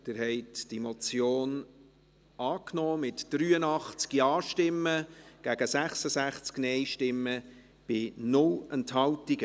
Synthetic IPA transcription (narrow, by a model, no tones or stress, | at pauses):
d̥ɪɾhɛɪtd̥imɔt͡sjoːn | ɑːknɔːmɪtd̥ɾyːənɑχt͡skiɑːʃtɪmːəɡ̥æɡ̥əsæχsəsæχt͡sknɛɪʃtɪmːə | b̥ɪnʊlɛnthɑltiɡə